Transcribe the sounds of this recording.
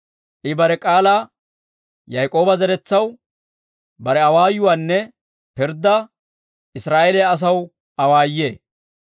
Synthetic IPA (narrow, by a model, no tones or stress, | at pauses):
ʔɪbɐɾɛkʼaːlaː | jɐjkʼo̞ːbɐzɛɾɛt͡sːɐw | bɐɾɛɐwaːjʊwaːnːɛ | pɪɾd̪ːɐ | ʔɪsɾaːʔeːlɛjɐs̬ɐw | ʔɐwaːjːḛː